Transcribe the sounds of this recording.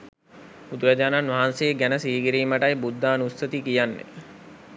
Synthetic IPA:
ud̪uɾad͡ʒaːnanʋaɦansejːɡænəsiːɡiɾiːməʈajbud̪ːaːnusːət̪ikijanːḛ

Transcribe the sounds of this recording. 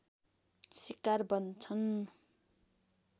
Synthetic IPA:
sikarbʌnt͡sʰʌn

